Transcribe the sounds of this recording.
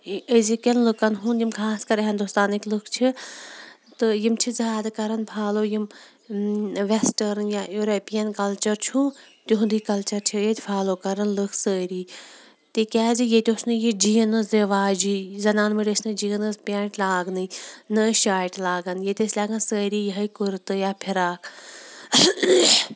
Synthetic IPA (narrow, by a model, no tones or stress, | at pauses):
əzikʲɐnlɨkɐnɦũnjimkʰaːskɐɾɦɐnd̪ust̪aːniklɨkʰt͡ʃʰi | t̪ɨjimt͡ʃʰizaːd̪ɨkɐɾɐnpʰaːloːjim | ʋesʈɐɾnjajuːɾepijɐnkɐlt͡ʃɐɾt͡ʃʰũː | t̪ʲuɦũnd̪iːkɐlt͡ʃɐɾt͡ʃʰijet̪ʲfʰaːloːkɐɾɐnlɨkʰsəːɾiː | t̪ikʲɛːzijet̪ʲoːsnɨjid͡ʒiːnɨzeʋaːd͡ʒiːzɐnaːnmiɖəsʲnɨd͡ʒiːnɨzpʲeːɳʈlaːɡnɨnɨʃaːʈlaːɡɐnjet̪ʲesʲlʲaːɡɐnsəːɾiːjəɦɐkuɾt̪ɨjaːpʰiɾaːkʰ